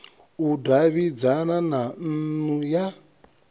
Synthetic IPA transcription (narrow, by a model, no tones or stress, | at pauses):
udaβid͡zananan̩nuja